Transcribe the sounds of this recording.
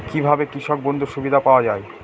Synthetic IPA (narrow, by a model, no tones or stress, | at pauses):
kibʱabekɾiʃɔk̚bond̪ʱuʃubid̪ʱapaoad͡ʑae